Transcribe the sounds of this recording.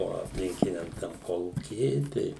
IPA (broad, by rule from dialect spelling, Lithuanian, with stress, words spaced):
oː ɐpʲˈlʲɪŋʲkʲɪnʲɛm tɐm ˈkoːlˠuːkʲiː ˈɪr ˈtʲɛɪ